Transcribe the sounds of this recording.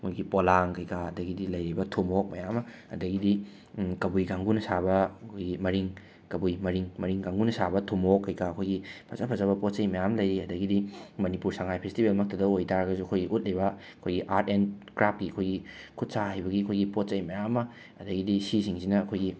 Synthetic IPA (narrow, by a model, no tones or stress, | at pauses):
kʰojɡipolaŋkɐjkaɐdɐɡidilɐjɾijbɐtʰumok̚mɐjamːɐɐ̰dɐɡidi | kɐbujɡaŋɡunɐsabɐkʰojɡimɐɾiŋ | kɐbujmɐɾiŋmɐɾiŋɡaŋɡunɐsabɐtʰumokːɐjkaːkʰojɡipʰɐzapʰɐzabɐpot̚sɐjmɐjamlɐjɾiɐdɐɡidimɐnipuɾsaŋajpʰestibʱelmɐk̚tɐdɐojtʰaɾɐɡɐzuɐkʰojɡiʔut̚lejbɐ | ɐkʰojɡiʔaɾtenkɾap̚kiɐkʰojɡikʰut̚saɦajbɐɡiɐkʰojɡipot̚t͡ʃɐjmɐjamːɐ | ɐdɐɡidisisiŋsinɐːkʰojɡi